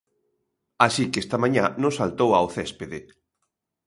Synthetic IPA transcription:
asikɛst̪amãɲanʊ̃salt̪owa̰oθɛspeðe

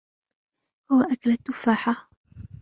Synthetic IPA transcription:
hʊwaʔakalat̪ːʊfaːħa

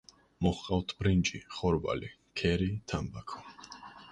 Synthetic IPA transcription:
mɔχqʼalt̪ʰbɾind͡ʒiχɔɾva̰li | kʰɛɾit̪ʰambakʰɔ̥

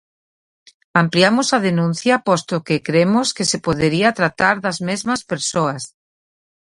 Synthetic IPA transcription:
ampliamʊsɐð̞enũn̟θjɐpɔst̪okekɾemʊskesepoðeɾiat̪ɾat̪aɾðɐzmezmɐspeɾsoɐs

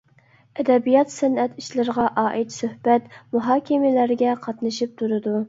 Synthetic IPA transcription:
ɛd̪ɛbijɑt̪sɛnɛt̪iʃlɪɾəʁɑʔɑːʔɪt̪søhbɛt̪muɦɑːkʲɪmɪlæɾɡʲɛqʰɑt̪nɨʃip̚t̪ʰuɾɨd̪u

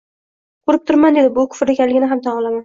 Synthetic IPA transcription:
qʰʊɾɪp̚t̪ʰʊɾmand̪e̞d̪ɪbʊkʰʊ̥fɾekʲanlɪɡʲɪnɪɦamt̪ʰɒɴɒlˠaman

